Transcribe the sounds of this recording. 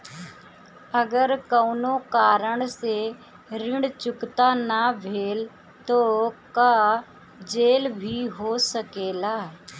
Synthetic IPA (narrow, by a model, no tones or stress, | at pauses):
ɐɡəɾkəʊnokaːɾəɽ̃se | ɾɪ̃ɳɖt͡ʃʊkt̪anaʋʱeːl | t̪oːka | d͡ʒeːlbʱiɦoːsəkeːlaː